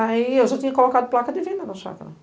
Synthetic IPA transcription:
ɐiewʒɔt̪ĩɲɐkolokad̪ʊplˠakɐd̪ɪvẽnd̪ɐnɐsa̰kɐɾɐ̰

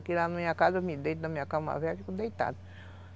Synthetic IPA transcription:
kilanamĩɲɐkazemid̪ejt̪nɐmĩɲɐkama̰vɛfikud̪ejt̪a̰d̪ɐ

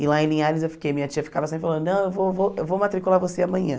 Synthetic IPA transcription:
ɪlaẽlĩaɾɐzewfi̥kejmĩɲɐt͡ʃijɐfi̥kavɐsĩfalɐ̃d̪ʊnɐ̃w̃ewvovoewvomat̪ɾikulaɾvoseamɐ̃ɲɐ̃

